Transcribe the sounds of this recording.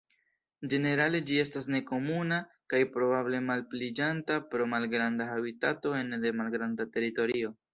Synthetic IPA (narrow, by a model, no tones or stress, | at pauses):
d͡ʒe̞ne̞ɾale̞d͡ʒie̞stas̬ne̞ko̞muna | kajpɾo̞bable̞malplid͡ʒantapɾo̞malɡɾandaabitato̞e̞ndemalɡɾandate̞ɾito̞ɾio̞